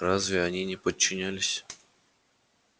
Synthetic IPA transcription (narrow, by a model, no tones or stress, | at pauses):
ɾazvʲɪɐnʲinʲɪpət͡ɕːɪnʲælʲɪsʲ